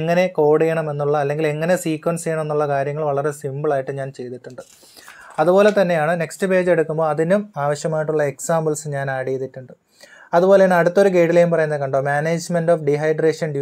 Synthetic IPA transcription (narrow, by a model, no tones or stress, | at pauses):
ŋːɐne̞ko̞ːɽijɐɳɐme̞nːuɭːɐːlːe̞ŋɡile̞ŋːɐne̞siːkwɐnsejɐɳɐme̞nːuɭːɐkaːɾjɐŋːɐɭʋɐɭɐɾe̞simbɨɭaːjiʈːɨɲaːnt͡ɕe̞jt̪iʈːuɳɖɨ | ɐðupo̞ːle̞t̪ɐnːe̞jaːɳɨne̞kstɨpe̞ːd͡ʑeɽukːumbo̞ːɐðinumaːʋɐɕjɐmaːjiʈːuɭːɐe̞ksaːmbɐlsɨɲaːnaːɽejt̪ːiʈːuɳɖɨ | ɐðupo̞ːlenːɐɽut̪ːo̞ɾuɡe̞ːʈilejumpɐrɐjunːɐðɨkɐɳɖo̞ːmaːneːd͡ʑmendoːfɖiɦɐjɖreːʂɐnɖju